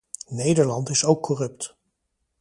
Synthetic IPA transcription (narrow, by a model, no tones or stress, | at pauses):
nejdəɹlɑntɪsowkːɔrɵp̚t